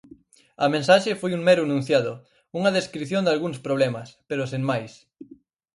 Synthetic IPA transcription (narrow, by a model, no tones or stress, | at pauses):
ɐmẽnsaʃefojuŋmɛɾunũn̟θjaðʊ | uŋɐðeskɾiθjond̪alɣuŋspɾoβlɛmɐspeɾʊseŋmajs